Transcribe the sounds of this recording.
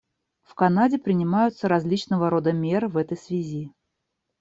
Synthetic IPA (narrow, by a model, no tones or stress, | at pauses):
fkɐnadʲɪpɾʲɪnʲɪmajʊt̪səɾɐzʲlʲit͡ɕnəvəɾo̞d̪əmʲe̞rvɛt̪əjsvʲɪzʲi